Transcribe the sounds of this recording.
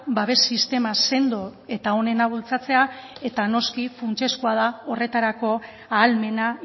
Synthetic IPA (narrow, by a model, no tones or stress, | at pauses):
baβe̞sist̪e̞mase̞nd̪oe̞t̪ao̞ne̞naβ̞ult͡sat͡se̞ae̞t̪ano̞skifunt͡ʃe̞skuað̞ao̞re̞t̪aɾako̞ | aːlme̞na